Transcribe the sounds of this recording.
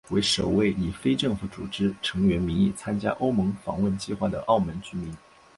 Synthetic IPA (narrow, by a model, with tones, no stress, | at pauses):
we˧˥ɪʂo˨˩ʊwe˥˩ɪi˨˩fe˥ɪʈ͡ʂɤ˥˩ŋfu˧˥˩t͡sṵ˨˩ʈ͡ʂɻ̩˥ʈ͡ʂʰɤ˧˥ŋɥɛ˧˥nmi˧˥ŋi˥˩t͡sʰa˥nt͡ɕja̰˥ʔo˥ʊmɤ˧˥ŋfɑ̰˨˥ŋwə˥˩nt͡ɕi˥˧xwa˥˩d̪ə̰˩ʔɑ˥˩ʊmə˧˥nt͡ɕy˥mi˧˥n